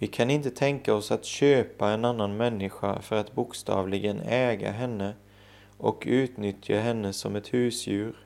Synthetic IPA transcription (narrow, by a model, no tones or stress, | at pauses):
vɪkʰanɪnt̪ət̪ʰɛŋkaɔsat̪ɕøːpaɛnanːanmɛnːɪɧa̰fœɾat̪bʊkst̪ɑ̰ːvlɪɡənɛːɡa̰ɦɛnːə | ʔɔkʉ̟ːt̪nʏt̪ʰjaɦɛnːəsɔmɛt̪hʉ̟ːsjʉ̟ːɾ